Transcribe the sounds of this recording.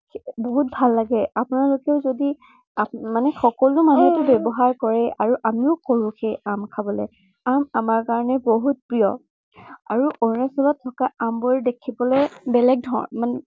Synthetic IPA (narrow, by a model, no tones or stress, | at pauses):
boɦut̚bʱalːaɡɛapʊnalokɛʊzodi | amanɛxɔkɔlʊmanutʊbɛbɔɦaɹkɔɹɛʔaɹuʔamiʊkoɹuxejamkʰabɔlɛ̰ | amamaɹkaɹɔnɛboɦut̚pɹijɔ̰ | a̰ɹuʔonasɔlatʰːɔkaamboɹdekʰibɔlɛbɛlɛk̚dʱɔ̰man